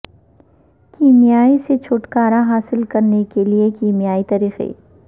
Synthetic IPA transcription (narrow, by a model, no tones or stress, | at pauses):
kiːmijaːiset͡ʃʰʊʈkaːɾaɦaːsɪlkɐɾnekeliekiːmijaːit̪ɐɾiːxḛː